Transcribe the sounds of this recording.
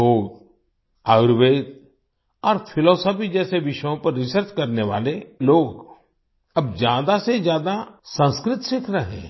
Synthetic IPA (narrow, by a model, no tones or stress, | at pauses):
ɦoːɡ | aːʊɾʋeːd̪̚ | ɔːɾpʰɪlɔːsəpid͡ʒɛːseʋɪʃjõpɐɾːɪsəɾt͡ʃkɐɾneʋa̰ːleloːɡ | ɐbzjaːd̪asezjaːd̪asə̃nskɾɪt̪ʃɪkʰɾɐɦḛ̃ː